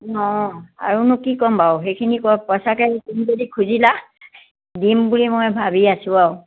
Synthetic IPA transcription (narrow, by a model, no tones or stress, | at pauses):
nɔa̰ɹunʊkikɔmbawɦejkʰinikɔpɔsakɛkumzodikʰuzila | dimbulimojbʱabiasʊ̃aw